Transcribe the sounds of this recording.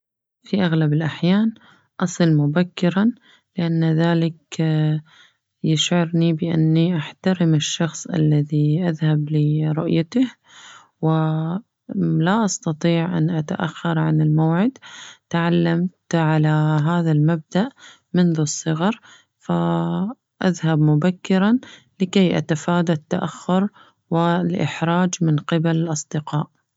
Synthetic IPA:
fiʔaɣlabɪlʔaħjaːn | ʔɑsˤɨlmʊbakːɪɾa | lɪʔanːðaːlɪk | jɪʃʕɑɾnibɪʔa̰nːiʔaħt̪aɾɪmɪʃːɑxsˤʔa̰lːaðiʔaðhablɪɾˤʊʔjat̪ah | wɪ | laʔɑst̪ɑt̪ˤiːʕʔa̰nʔat̪a̰ʔa̰xːɑɾˤʕanɪlmawʕɪd̪t̪ʕalːamt̪ʕalaɦaːðalmab̚d̪aʔ | mɪnðusˤːɨɣɑɾˤ | fa | ʔaðhabmʊbakːɪɾɑnlɪkajʔa̰t̪afaːd̪at̪ːaʔaxːʊɾ | wɪlʔɪ̰ħɾˤɑːd͡ʒmɪnqɪbalɪlʔɑsˤd̪ɪqɑːʔ

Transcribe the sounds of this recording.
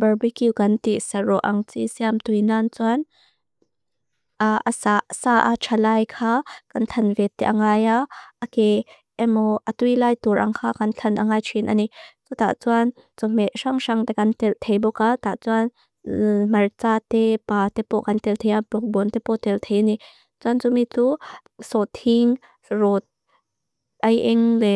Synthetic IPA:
bɐrbikiwkɐnt̪iʔsɐrɔʔɐŋt͡sḭsiamt̪ujnant͡suan | ʔaʔasasaʔat͡ʃʰalaːjkʰaːkɐnt̪ʰɐnvɛt̪ːɛ̰ʔaŋaːjaɐkɛ | ʔɛmɔʔɐt̪ujlaːjt̪uɾʔɐ̰ŋkʰaːkɐnt͡ɬʰɐnʔaŋaːjt͡ʃʰinʔa̰nit͡sut̪a̰ʔt͡suan | t͡sɔm̥ɛʔʂaŋʂaŋt̪ɛkɐnt̪ɛlt̪ʰejbɔkat̪aʔt͡suan | mɐrt͡sat̪ɛpaːt̪ɛpɔʔkɐnt̪ɛlt̪ʰɛjʔablɔk̚bɔnt̪ɛpɔt̪ɛlt̪ʰejʔani | t͡suant͡sumit͡su | sɔt̪ʰiŋ | rɔt̪̚ | ʔɐjʔɛŋlɛʔ

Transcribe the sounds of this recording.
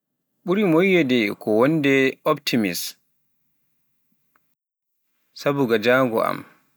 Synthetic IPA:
ɓuɾimojːɛdɛkʰɔwɔndɛɔptʰimis | sabuɡad͡ʒaːŋɡɔ̰a̰m

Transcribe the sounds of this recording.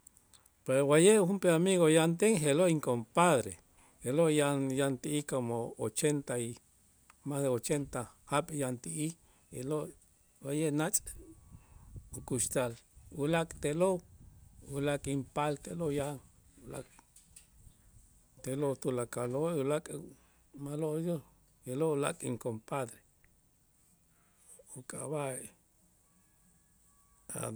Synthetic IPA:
peɾowajeʔxumpeamiɣojant̪̬eŋɦeloiŋkompaðɾe | helojanjant̪iʔikomoot͡ʃent̪ai | masðeot͡ʃent̪ahaɓjant̪iʔi | elo | wajeʔnat͡ʃʼ | ukuʃt̪alulakʼt̪elo | ulakʼimpalt̪eloja | ula̰kʼ | t̪elot̪ulakaloulakʼ | maloʔjo | jeloula̰kʼḭŋkompad̪ɾe | ukʼa̰βae | a̰

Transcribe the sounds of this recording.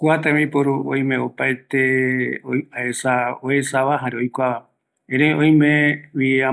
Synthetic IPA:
kuat̪ẽmĩpoɾuʔõ̰j̃mẽopaet̪eoaesaoesaβaɦaɾeojkʷaβa | ẽɾeõj̃mẽwia

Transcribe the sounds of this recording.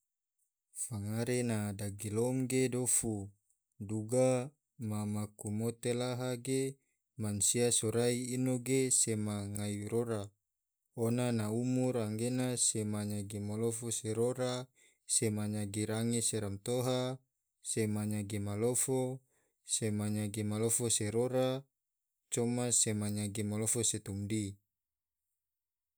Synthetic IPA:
faŋaɾenadaɡiloŋɡedofu | duɡa | mamakumot̪elaɦaɡe | mansiasoɾaiːnoɡesemaŋaiɾoɾa | onanaumuɾaŋɡenasemaɲaɡemalofoseɾoɾa | semaɲaɡeɾaŋeseɾamt̪oɦa | semaɲaɡemalofo | semaɲaɡemalofoseɾoɾa | t͡ʃomasemaɲaɡemalofoset̪umdi

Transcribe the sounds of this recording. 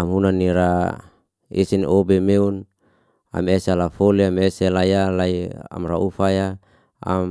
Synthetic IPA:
amɦunanːiɾa | ḛsinobemeun | a̰mesealafoliameselajalaia̰mraufaja | a̰m

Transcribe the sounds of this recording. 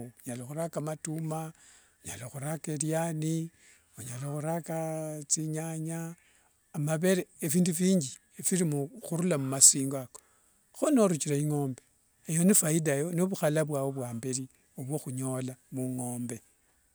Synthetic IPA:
uɲalaxuɾakamatuma | uɲa̰laxuɾakeɾjani | uɲaloxuɾakat͡siɲaɲaː | maβe̞ɾeːfiːndufiːɲd͡ʒi | efiɾimuxuɾulamumasiːŋɡako̥ | xonoɾut͡ʃiɾaiŋo̞ːmbe | ejo̞nifaidajo̞noβuxalaβwaːwo̞βwaːmbeɾi | oβwo̞xuɲo̞lamuŋoːmbe̞

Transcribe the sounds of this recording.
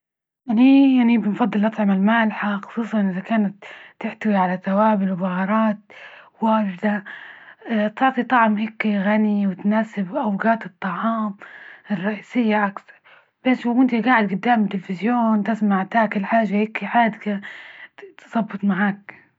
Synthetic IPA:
ʔanijaʕnibɪnfɑd̪ˤːɨlʔɑt̪ˤʕɪmalmaːlħaxɑ̥sˤuːsˤɑnʔɪzakaːnat̪ːɪħt̪awiʕalaθawaːbɪlwbɑɣɑɾˤɑːt̪̚ | waːʒd̪a | t̪ɪʕt̪ˤit̪ˤɑʕmhɪkːiɣaniwɪt̪naːsɪbʔawɡaːt̪ɨt̪ˤːɑʕɑːmɪrˤːɑʔiːsɪjːaʔakθɑɾˤ | b̥aːskʊnt̪iɡaːʕɪd̪̚ɡʊd̪ːaːmt̪ɪlfɪzjoːnt̪ɪsmaʕt̪aːkɪlħaːʒːahɪkːiħaːd̪ɪka | t̪sˤɑbːɨt̪ˤmaʕaːk̚

